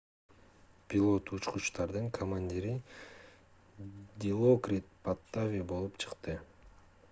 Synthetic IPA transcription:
pʲilˠo̞t̪ut͡ʃqut͡ʃt̪ɑɾd̪ɯŋkʰomanʲd̪ʲiɾi | d̪ʲilˠokrʲit̪̚pat̪ːavʲibo̞lˠupt͡ʃʰɯ̥qt̪ɯ

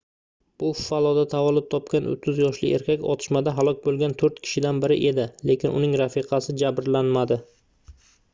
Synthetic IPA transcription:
b̥ʊffalˠɒd̪at̪ʰavɒlɪp̚t̪ʰɒpkʲanʔʊ̰t̪ʰːʊzjɒʃlɪ̰ʔe̞̰ɾkʲakʲɒ̰t̪ʰɪ̥ʃmad̪aɦalˠɒk̚ʲbolˠɡʲant̪ʰɵɾt̪kʲʰɪ̥ʃɪd̪anbɪɾɪʔe̞d̪ɪle̞kʲɪnʊ̰nɪŋɾafɪqʰɑsɪd͡ʒabɾlanmad̪ɪ

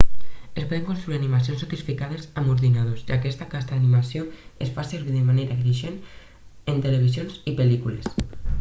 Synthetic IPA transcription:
espɔðeŋkonst̪ɾuiɾanimasionsot̪isfikaðezamuɾðinað̞ozakɛst̪akast̪aanimasioesfaseɾβiðemanejɾakɾiʃen | ent̪eleβ̞izjonzipelikules

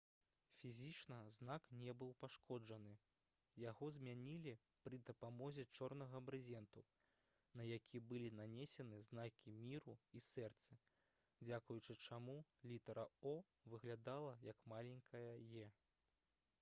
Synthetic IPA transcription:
fʲizʲit͡ʂnɐznaknʲɛbɨwpaʂkʰɔd͡ʐɐnɨ | jaɣɔzʲmʲanʲilʲi | pɾɨd̪ɐpamɔzʲɛt͡ʂɔrnɐɣɐbɾɨzʲɛnt̪u | nɐjakʲibɨlʲinanʲɛsʲɛnɨznakʲimʲiɾuisɛrt̪sɐ | d͡zʲakujut͡ʂɨt͡ʂamulʲit̪ɐɾɐɔ | vɨɣlʲad̪alˠɐjɐkmalʲɛŋʲkʰɐjɐjɛ

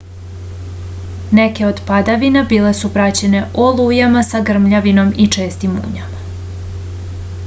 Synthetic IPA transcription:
neke̞od̪pad̪aʋinabiːle̞supɾat͡ɕe̞ne̞ʔolˠujamasaɡr̩mʎaʋino̞mit͡ʂe̞ːst̪imṵːɲama

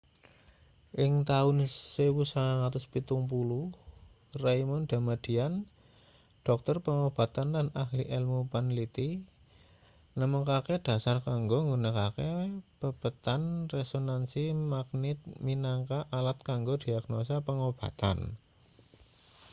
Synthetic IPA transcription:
ʔɪŋt̪aʊnsewusaŋaŋat̪ʊspit̪ʊŋpuluh | rajmʊnd̪̥a̤mad̥i̤an | ɖ̥ɔk̚t̪ərpəŋob̥a̤t̪anlanahliʔɛlmupanlit̪i | nəməŋkaked̥a̤sarkaŋɡoŋɡunəkakepəb̥ət̪anrɛsonansimaɡ̚nɪt̪̚minaŋkaʔalat̪̚kaŋɡod̥i̤aɡ̥nosapəŋob̥a̤t̪a̰n

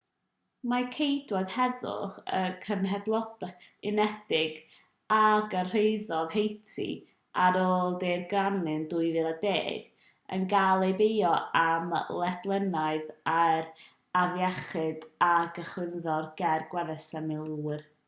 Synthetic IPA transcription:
makʰejdwɔd̥hɛðʊ̰χə̰kʰənɦɛdlˠɔdɪnɛd̥ɪɡ | aɡər̥ejðɔðhejtʰḭ | ʔaɾoːlˠderɡranɨnduːɨvɨːlˠədḛːɡ̥ | ə̰nɡalˠejbejɔamlˠɛdlˠənaɨðar | aðjɛχɨdaɡəχwɪnðɔrɡɛrɡwɛðəsɛmɪlˠuːr

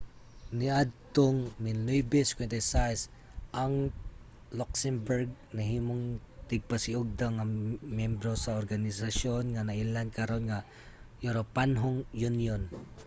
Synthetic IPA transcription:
nɪʔad̪̚t̪oŋmɪnojbɛskwɛnt̪ɛsajs | ʔaŋ | loksɛmbɛɾɡ̚nɐɦiːmoŋ | t̪ɪɡ̚pasɪʊɡ̚d̪aŋɐmjɛmbɾosaoɾɡanɪsaʃonŋanɐʔilankɐɾonŋa | joɾopanɦoŋjʊnjon

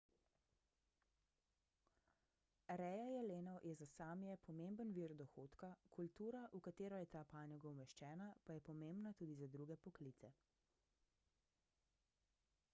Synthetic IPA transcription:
ɾɛjajɛleːnɔwjɛzasaːmjɛpʰɔmembənʋiːɾd̪ɔxoːt̪kakult̪uːɾaʔukat̪eːɾɔjɛt̪aːpaːnjɔɡɔumɛʃt͡ʃɛːnapajɛpɔmembnat̪uːd̪izad̪ɾuːɡɛpɔkliːt̪sɛ

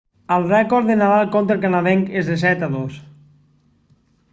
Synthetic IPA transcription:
alˠrɛkɔɾðenaðalˠkont̪ɾelˠk̬anaðeŋkezðes̬ɛt̪aðos

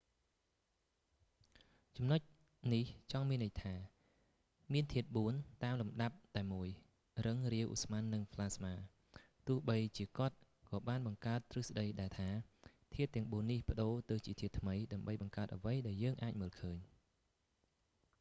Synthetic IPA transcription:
t͡ɕɑmnoc̚ | niht͡ɕɑŋmiənəj̚t̪ʰaː | miənt̪ʰiət̪̚ɓuənt̪aːmlumɗap̚t̪aɛmuəj | rɨŋriəwʔṵsmanːɨŋpʰlaːsmaː | t̪ʊ̆əhɓəjt͡ɕiəkŏət̪̚ | kɑːɓaːnɓɑŋkaət̪ːrɨsɗəjɗaɛlt̪ʰaːt̪ʰiət̪ːɛ̆əŋɓuənːihpə̆ɗoːt̪ɨwt͡ɕiət̪ʰiət̪ːʰməjɗaəmɓəjɓɑŋkaət̪̚ʔəʋəjɗaɛljəːŋʔaːc̚məːlkʰəːɲ

